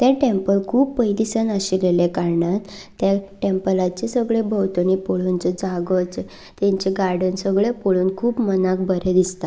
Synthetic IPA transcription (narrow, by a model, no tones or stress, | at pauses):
t̪jaʈempəlkʰuːpːəjd̪isənaɕilelekaɾɳat̪ː | jaʈẽmpəlat͡ɕesəɡɭebʱəwt̪ənipoɭunt͡səd͡zaɡət͡s | t̪ẽɲt͡ɕeɡaɾɖənsəɡɭepoɭuːnkʰuːpmənak̚bəɾed̪ist̪a